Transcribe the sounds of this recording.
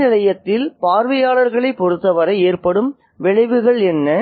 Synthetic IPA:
ɪlɐjɐt̪ːɪlpaːɾʋɐjaːɭɐɾɣɐɭɐɪpːɔɾɯt̪ːɐʋɐɾɐɪeːrpɐɽɯm | ʋɛɻɐɪʋɯɣɐɭɛnːɐ

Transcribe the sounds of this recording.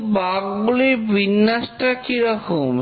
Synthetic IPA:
baɡbulibinːasʈakiɾɔkʰom

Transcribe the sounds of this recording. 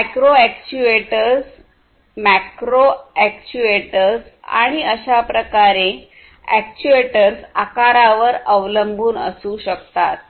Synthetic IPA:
mɛkɾoɛkt͡ɕuʋeʈəɾs | mækɾoɛkt͡ɕueʈəɾsa̰ɽ̃iəɕapɾəkaɾe | æ̰k̚t͡ɕueʈəɾsakaɾaʋəɾəʋləmbuːnə̰suːɕəkt̪at̪̚

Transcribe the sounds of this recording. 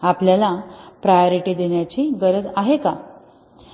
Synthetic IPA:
apljalapɾajoɾiʈid̪eɳjat͡ɕiːɡəɾəd͡zaɦeka

